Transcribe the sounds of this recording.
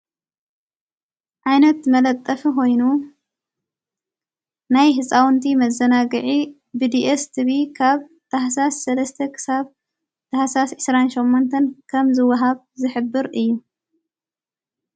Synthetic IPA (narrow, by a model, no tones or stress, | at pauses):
ʔajnɐt̪mɐlɐt̪ʼːɐfiko̞jnu | najɦɨsʼawnt̪ʰimɐzɐnaɡɨʕi | bɨd̪iʔest̪ʰɨβikʰaβ | t̪ʰaħasasːɐlɐst̪ʰɐkʰɨ̥saβ | t̪ʰahasasʕɨsɾanʃomːont̪ʰɐnkʰɐmzɨwɐɦaβ | zɨħɨbːɨɾɨjːu